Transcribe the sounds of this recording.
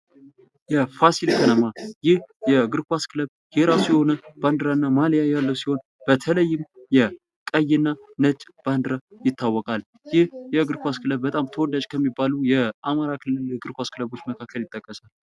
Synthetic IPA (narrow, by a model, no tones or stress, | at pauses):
jɛfasilkʰənʰəmajɪhjɛɡɨɾkʷaskʰɨləβ | heɾasijɛho̞nəb̥and̪ɨɾanːamaljajalːəwsiho̞n | b̥ət̪ʰələjːɪmjɛ | kʼəjːɪnːanət͡ʃʼb̥and̪ɨɾajɪt̪ːawːɔkʼal | jɪhjɛɡɨɾkʷaskʰɨləβːət̪ʼamt̪ʰəwɔd̪at͡ʃkʰəmːibːalujɛamaɾakʰɨlːɨlɡɨɾkʷaskɨləβo̞t͡ʃːməkʰakʰːəljɪt̪ʼːəkʼːəsal